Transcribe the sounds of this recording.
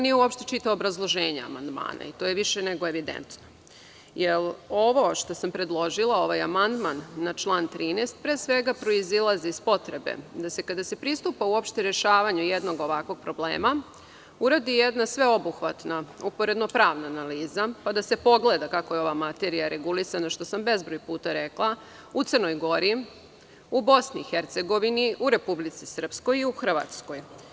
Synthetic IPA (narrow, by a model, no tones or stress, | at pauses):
onijeuopʃt̪et͡ʃit̪aʋobɾazlˠo̞ʒeːɲaa̰mand̪ma̰ːna̰it̪oːjeʋiʃeneɡoe̞ʋid̪ḛnt̪no | jelo̞ʋo̞ʃt̪o̞sampɾed̪lˠo̞ʒilˠao̞ʋajamand̪manːat͡ʃlˠaːnt̪ɾiːnest̪̚pɾeːsʋe̞ɡapɾo̞izilˠaziːspo̞t̪ɾe̞be̞̰d̪ase̞kad̪ase̞pɾist̪uːpauo̞pʃt̪eɾe̞ʃaːʋaɲujed̪no̞ɡo̞ʋakʋo̞ɡ̚pɾo̞blḛːma | uɾad̪ijed̪nasʋe̞obuxʋat̪naupo̞ɾe̞d̪no̞pɾaːʋnaːnaliːzapad̪ase̞po̞ɡle̞d̪akako̞jeo̞ʋamat̪e̞ɾijaɾe̞ɡulisanaʃt̪o̞sambe̞zbɾojpuːt̪aɾe̞klˠa | ut̪srno̞jɡo̞ɾi | ubo̞sniixeɾt̪se̞ɡo̞ʋiniʔuɾe̞publit̪sisr̩psko̞jiuxr̩ʋa̰t̪sko̞j